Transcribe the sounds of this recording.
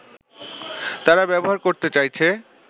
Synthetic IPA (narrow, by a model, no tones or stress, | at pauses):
t̪aɾabɛboɦaɾkoɾt̪et͡ɕajt͡ɕʰe